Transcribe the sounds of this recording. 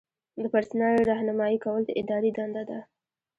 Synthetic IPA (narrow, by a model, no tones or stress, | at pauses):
d̪əpaɾsnɑjɾɑhnamɑjikawəlt̪aʔɪd̪ɑɾid̪and̪ad̪a